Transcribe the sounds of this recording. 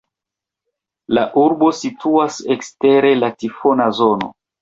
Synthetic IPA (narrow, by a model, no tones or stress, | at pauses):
laʔuɾbo̞situasekste̞ɾe̞latifo̞nazo̞no̞̰